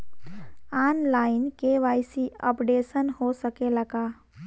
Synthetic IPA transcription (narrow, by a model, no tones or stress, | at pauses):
anlainkeʋajsiə̰pɖesənhosəkelaka